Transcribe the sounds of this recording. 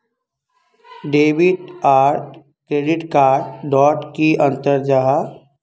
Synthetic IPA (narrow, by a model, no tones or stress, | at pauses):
ɖeːbɪʈaːɾʈ | kɾeːɖɪʈkaːɾɖɖɔːʈkiʔə̃nt̪əɾd͡ʒaɦa